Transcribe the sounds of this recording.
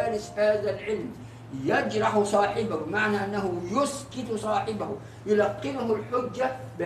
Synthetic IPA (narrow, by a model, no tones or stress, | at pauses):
aːɾɪshaːðalʕɪlm | jad͡ʒɾˤɑħʊsˤɑːħɪbabɪmaʕnaʔanːaɦʊjʊskɪt̪sˤɑːħɪbahʊ | jʊlɑqːɪlʊɦʊlħʊd͡ʒːabɪ